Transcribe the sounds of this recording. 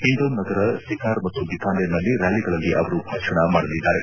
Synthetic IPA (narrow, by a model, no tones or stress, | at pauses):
ɦiɳɖ̪ɐwnɐɡɐɾɐsikaːɾmɐt̪ːubikaːnenɐlːiɾjaːliɡɐɭɐlːiʔɐʋɐɾubʱaːkʂɐɳɐmaːɽɐlid̪ːaːɾe